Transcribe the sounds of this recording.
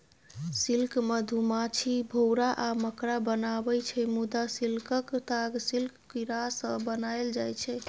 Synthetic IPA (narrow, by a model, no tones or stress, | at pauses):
silkmed̪ʱumat͡ʃʰibʱowɾaʔaməkɾabənabɛjt͡ʃʰɛmud̪asilkəkt̪aɡsilkkiɾasəbənaeld͡ʒajt͡ʃʰɛ